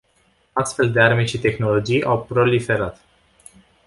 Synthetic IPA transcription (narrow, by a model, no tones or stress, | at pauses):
ast̪fe̞ld̪e̞arme̞ʃit̪e̞xno̞lo̞d͡ʒijʔawpɾo̞life̞ɾat̪